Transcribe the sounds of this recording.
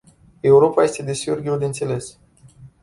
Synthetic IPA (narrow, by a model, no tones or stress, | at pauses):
e̞uɾo̞paje̞st̪e̞d̪e̞siorɡ̪ʲiud̪ent̪se̞le̞s